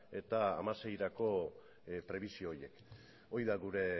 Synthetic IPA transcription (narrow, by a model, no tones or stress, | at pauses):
e̞t̪a̰ːmase̞jɾako̞ | pɾe̞β̞isio̞ːje̞k | o̞jðaɣuɾe̞